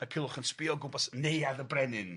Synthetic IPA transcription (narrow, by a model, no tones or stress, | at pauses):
əkʰɪlˠʊχənspɪɔɡʊbɔsnejaðəbrɛnɨn